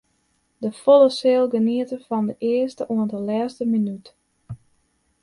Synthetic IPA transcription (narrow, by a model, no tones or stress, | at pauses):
dəfolˠəsɪːlˠɡəniətəfɔndəʔɪəstəʔuəntəlɛːstəminyt